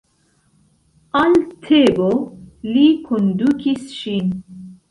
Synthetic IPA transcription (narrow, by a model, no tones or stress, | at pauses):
alt̪ʰebolikʰond̪ukisʃin